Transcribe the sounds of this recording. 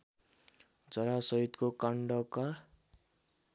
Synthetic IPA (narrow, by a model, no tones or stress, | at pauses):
d͡zʌɾasʌɦit̪kokaɳɖʌka